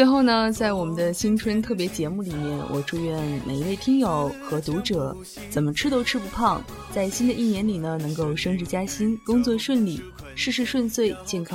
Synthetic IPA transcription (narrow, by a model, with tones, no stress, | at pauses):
t͡st͡swe˥˧xo˥˩ʊnə˨˩t͡sa˥˩ɪwɔ˨˩mə˦nd̪ə˧ɕi˥ŋʈ͡ʂʰwə˥nt̪ʰɤ˥˩pjɛ˧˥t͡ɕjɛ˧˥mu˥˩li˨˩mjɛ˥˩nwʔɔ̰˨˩ʈ͡ʂu˥˧ɥɛ˥˩nmʔḛ˨˩ɪ˧˥we˥˩ɪt̪ʰi˥ŋjo˨˧˩ʊxɤ˧˥t̪u˧˥ʈ͡ʂɤ˨˩˦ | t͡sə˨˩nmə˦ʈ͡ʂʰɻ̩˥t̪o˥ʊʈ͡ʂʰɻ̩˥pu˧˥pʰɑ˥˩ŋ | t͡sa˥˩ɪɕi˥nd̪ə˨ʔi˥˩njɛ˧˥nli˨˩nə˦nɤ˧˥ŋko˥˩ʊʂɤ˥ŋʈ͡ʂɻ̩˥˧t͡ɕja˥ɕi˥nkʊ˥ŋt͡swɔ˥˧ʂwə˥˧nli˥˩ʂɻ̩˥˧ʂɻ̩˥˧ʂwə˥˧nswe˥˧ɪt͡ɕjɛ˥˩nkʰɑ˥ŋ